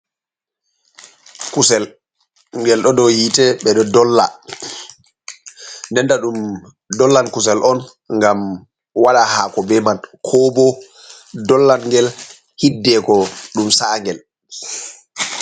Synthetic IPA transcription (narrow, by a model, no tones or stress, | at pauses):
kusɛl | ŋɡɛlɗɔdɔhitɛɓɛɗɔdɔlːa̰ | ndɛndaɗum | dɔlːankus̬ɛlʔɔn | ŋɡam | waɗahaːkɔbɛmankʰɔbɔ | dɔlːanŋɡɛl | hidːɛkɔɗumsaŋɡɛl